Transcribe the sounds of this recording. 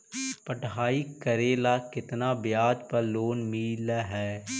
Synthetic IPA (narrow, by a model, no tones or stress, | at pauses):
pəʈɦaːikəɾeːlakɪt̪nabjaːd͡ʒpɐɾloːnmiːlaɦɛː